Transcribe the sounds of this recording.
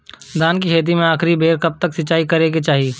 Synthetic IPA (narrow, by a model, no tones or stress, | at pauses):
d̪aːnk̬iɦeːt̪̬imẽaːkɾibʱeːɾkɐp̚t̪ɐksɪt͡ʃːaːikɐɾeɡet͡ʃaːɦiː